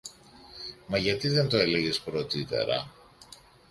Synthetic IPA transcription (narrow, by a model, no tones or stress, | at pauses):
mɐʝɐt̪iðe̞nt̪o̞e̞leʝespɾo̞t̪it̪e̞̰ɾɐ̰